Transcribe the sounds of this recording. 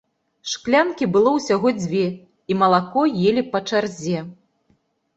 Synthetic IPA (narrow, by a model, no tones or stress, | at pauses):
ʂklʲankʲibɨlˠɔwsʲaɣɔd͡zʲvʲɛ | imɐlˠakɔjelʲipɐt͡ʂarzʲɛ